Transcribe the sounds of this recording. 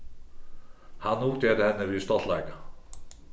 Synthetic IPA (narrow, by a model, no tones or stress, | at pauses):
hanːuːt̪ʰjɛɾðɪhɛnːɪviðst̪ɔt̪lajka